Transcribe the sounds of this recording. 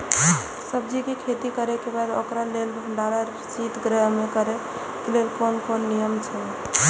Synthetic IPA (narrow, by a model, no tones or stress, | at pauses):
səbd͡ʒikekʰet̪ikəɾekebad̪o̰kɾalelbʱəɳɖaɾaɾ | sit̪ɡɾɛɦmekəɾe | kelelkonkonːijəmt͡ʃʰɛ